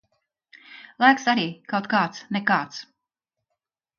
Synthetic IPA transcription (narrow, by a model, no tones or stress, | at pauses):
lˠajksaɾiːkawt̪kaːt̪snekaːt̪s